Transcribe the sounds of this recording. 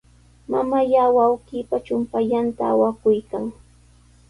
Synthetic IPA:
mamajaːwawkiːpat͡ʃʊmpaʎant̪aːwakʊjkaŋ

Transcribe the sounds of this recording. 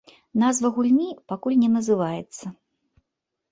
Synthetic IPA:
nazvɐɣulʲnʲipakulʲnʲɛnɐzɨvajɛt̪sːɐ

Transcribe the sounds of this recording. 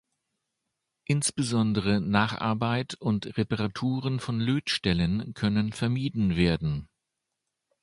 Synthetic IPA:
ʔɪnsb̥əzɔndəʁ̞ənaːχʔa̰ɐbaɪtʊntʁepaʁatʰuːʁənfɔnløːtʃtɛlənkʰœnənfɛɐmiːdn̩veːɐdn̩

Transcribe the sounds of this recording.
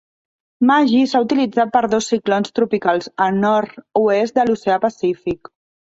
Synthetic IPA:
maʒisaut̪ilid͡zat̪̚pəɾðosːiklonst̪ɾupikalˠzənɔɾt̪uest̪d̪əluseapəsifik

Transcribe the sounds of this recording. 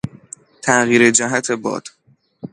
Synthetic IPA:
t̪ʰæʔɣiːɾed͡ʒæɦæt̪ʰebɒ̰ːd̪̥

